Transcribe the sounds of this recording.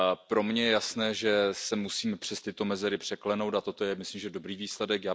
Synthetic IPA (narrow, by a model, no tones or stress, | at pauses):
pɾo̞mɲɛjɛjasnɛːʒɛsɛmusiːmɛpr̥ɛst̪ɪt̪o̞mɛzɛɾɪpr̝̥ɛklɛno̞wt̪at̪ot̪ojɛmɪslimʒɛdo̞bɾiːviːslɛdɛkjaː